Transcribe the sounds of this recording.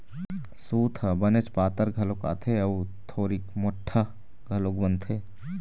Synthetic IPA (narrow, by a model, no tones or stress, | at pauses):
suːt̪ʰɐbɐnet͡ʃpaːt̪əɾɡʱɐloka̰ːt̪ʰeɐut̪ʰoːɾikmʊʈʰːə | ɡʱɐloːkbɐ̃nt̪ʰeː